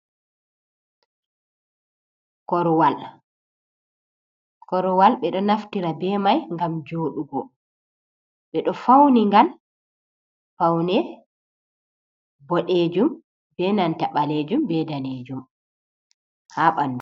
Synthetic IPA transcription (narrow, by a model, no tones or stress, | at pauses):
kɔɾwal | kɔɾwalɓɛɗɔnaftiɾabɛːmajŋɡamd͡ʒoːɗuɡɔ | ɓɛɗɔfawniŋɡal | fawnɛ | bɔɗeːd͡ʒum | bɛnantaɓaleːd͡ʒumbɛdaneːd͡ʒum | haɓandu